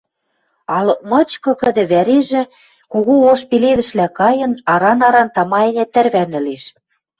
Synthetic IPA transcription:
ɑlɤ̆k̚mɤ̆t͡ɕkɤ̆kə̆d̪ĕβæɾeʒĕ | koɣuoʃpeleðə̆ʃlækɑjɤ̆nɑɾɑnɑɾɑnt̪ɑmɑenĕt̪ɘ̆rβænɘ̆leʃ

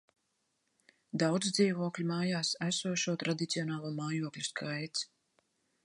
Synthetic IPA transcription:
d̪awd̪zd̪ziːvuɔklʲimaːjaːsæsuɔʃuɔt̪ɾad̪it̪siɔnaːlˠuːmaːjuɔklʲuskʰajt̪s

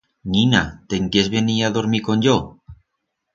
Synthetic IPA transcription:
ninat̪eŋkezβeniaðoɾmikonʎo

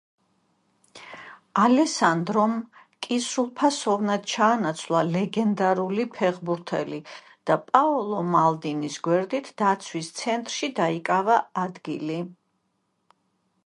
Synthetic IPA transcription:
alɛsand̪ɾɔm | kʼisulˠpʰasɔvnad̪̥t͡ʃʰaːnat̪sʰlˠalɛɡɛnd̪aɾulipʰɛʁbuɾt̪ʰɛ̰li | d̪̥apʼaɔlˠɔmalˠd̪inisɡwɛɾd̪it̪ʰd̪̥at̪sʰwist̪sʰɛnt̪ʼɾʃid̪aikʼavaad̪ɡḭli

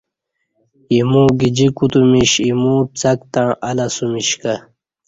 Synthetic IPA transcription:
imuːɡid͡ʑikut̪umiɕimut͡sɐkt̪ãɳɐlasumiɕka

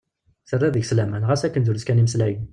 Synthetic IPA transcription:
sərˤːæðəʝslæmænʁæsækːənzʊɾskæniməslæjə

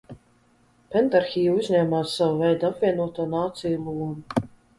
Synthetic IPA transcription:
pɛnt̪aɾxiːjuuzʲnɲʲɛːmaːsːavuvɛjd̪apvʲiɛnuɔt̪uːnaːt̪sijulˠuːmu

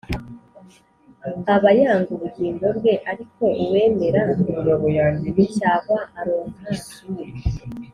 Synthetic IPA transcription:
aβajaːŋɡuɾuɟiːndo̞ɾɡwe̞ʔaɾiko̞ʔuwe̞ːme̞ɾaiijoβojaːɲenicaːβwaʔaɾoːŋɡasii

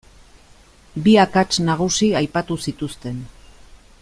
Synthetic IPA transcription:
biakat͡ʃnaɣ̞usiajpat̪usit̪ust̪e̞n

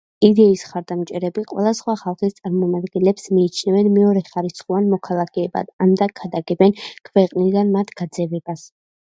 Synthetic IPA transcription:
id̪ɛisχaɾd̪amt͡ʃʼɛɾɛbiqʼwɛ̰lˠasχwaχalˠχist̪sʼaɾmɔmad̪ɡɛnlɛpsmiːt͡ʃʰnɛvɛnmɛɔɾɛχaɾisχuanmɔkʰalˠakʰɛːba̰d̪amd̪akʰad̪aɡɛbɛnkʰvɛqʼnid̪anmat̪ʰɡ̥ad̪zɛvɛbas

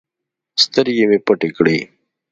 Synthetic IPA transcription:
st̪əɾjemepəʈekɽiː

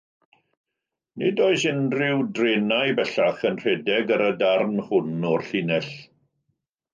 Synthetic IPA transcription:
nɪdɔɨsɪnrɪwdrenajbɛɬaχənr̥ɛdɛɡəɾədarnhʊnɔrɬɪnɛɬ

